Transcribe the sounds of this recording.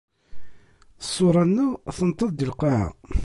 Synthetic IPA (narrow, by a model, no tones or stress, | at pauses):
sˤːoɾˤɑnːæθənt̪ˤːəðˤd̪əlqɑʕa̰